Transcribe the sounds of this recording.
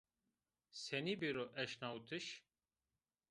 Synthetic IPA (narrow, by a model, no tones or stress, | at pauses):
senibiɾoʔɛʃnaut̪ʰiʃ